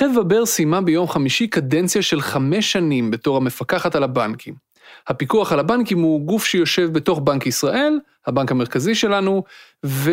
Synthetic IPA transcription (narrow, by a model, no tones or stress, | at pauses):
edvabeʁsimabejo̞mχamiʃikadent͡sjaʃe̞lχame̞ʃːanimbe̞to̞ʁhame̞fakaχatalabankʰim | hapikuaχalabankimhuɡufʃejo̞ʃe̞vbeto̞χbankisʁaʔe̞l | habankame̞ʁkaziʃe̞lanu | ve